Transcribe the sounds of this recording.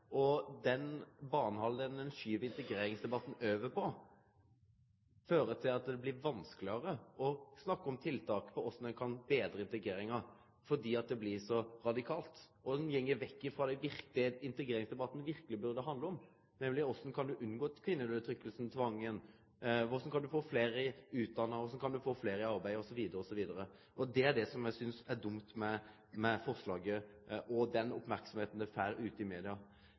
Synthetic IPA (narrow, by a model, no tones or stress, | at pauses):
ʔɔd̪ɛnbɑːnəhɑld̪ənd̪ɛnʃyːʋəɪnt̪əɡɾeːɾɪŋsd̪ɛbɑt̪ːn̩øːʋəpʰɔ | føːɾət̪ʰɪlɑt̪̚d̪ɛblɪɾʋɑnsklɪəɾəɔsnɑkːəɔmt̪ʰɪlt̪ʰɑːkə̥fʰɔɔsɔnɛnkʰɑnbeːd̪ɾəɪnt̪əɡɾeːɾɪŋɑ | fɔd̪iːɑt̪̚d̪ɛblɪʂɔɾɑd̪ɪkʰɑːlt̪ʔɔd̪ɛnjɛŋːəɾʋɛkːɪfɾɑːd̪ɛɪʋɪɾkt̪ɪəɪnt̪əɡɾeːɾɪŋsd̪ɛbɑt̪ːnəʋɪɾkəlɪbʉɾd̪ɛɦɑnd̪ləɔm | nɛmlɪɔsɔkʰɑnd̪ʉʔʉnːɡoːt̪kʰʋɪnːəløət̪ʰɾʏkːəlsənt̪ʰʋɑŋːən | ʋʊɾsɔmkʰɑnd̪ʉfoːfleːɾəʉːt̪̚d̪ɑnːəɾɔsɔkʰɑnd̪ʉfoːfleːɾəɑɾbæɪɔsɔʋiːd̪əɾəɔsɔʋiːd̪əɾə | ʔɔd̪ɛæɖɛsɔmjæsʏnsæɾd̪ʊmt̪mɛ | mɛfɔɾʂlɑːɡəʔɔd̪ɛnɔ̰pmæɾksɔmheːt̪n̩d̪æfæːɾʉːt̪ɪmeːd̪ɪɑ